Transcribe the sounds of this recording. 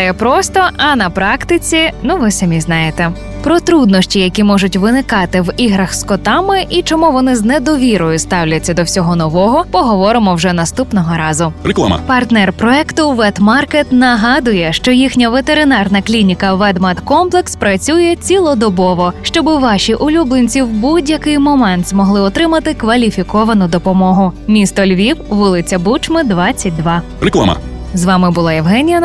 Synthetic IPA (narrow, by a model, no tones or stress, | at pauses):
jɛpɾɔst̪ɔɐnɐpɾɑkt̪ɪt͡sʲinuʋɪsɐmʲiznɑjet̪ɛ | pɾɔt̪ɾud̪nɔʃʲtʲijɐkʲimɔʒʊtʲʋɪnɪkɑt̪ɪwiɦɾɐxskɔt̪ɑmɪʔit͡ʃɔmuʋɔnɪznɛd̪ɔʋʲiɾɔjʊst̪ɑwlʲɐt͡sʲːɐd̪ɔwsʲɔɦɔnɔʋɔɦɔpɔɦɔʋɔɾɪmɔwʒɛnɐst̪upnɔɦɔɾɑzʊɾkˠa̰pɐrt̪nɛrpɾɔɛkt̪ʊʋɛd̪mɑrket̪nɐɦɑd̪ʊjɛʃt͡ʃɔjixnʲɐʋet̪eɾɪnɑrnɐklʲinʲikɐʋɛd̪mɐt̪kɔmplˠekspɾɐt͡sʲujɛt͡sʲilˠɔd̪ɔbɔʋɔʃt͡ʃɔbɪʋɑʃʲiʔʊlʲublˠenʲt͡sʲiwbudʲjɐkɪjmɔmɛnt̪zmɔɦlˠɪɔt̪ɾɪmɐt̪ɪkʋɐlʲifʲikɔʋɐnʊd̪ɔpɔmɔɦʊmʲist̪ɔlʲʋʲiwʋɪlˠɪt͡sʲɐbut͡ʃmɪd̪ʋɑt͡sʲːɐt̚ʲd̪ʋɑ | rɛklˠa̰mɐ̰ | zʋɑmɪbʊlˠɑjɛwɦɛnʲijɐ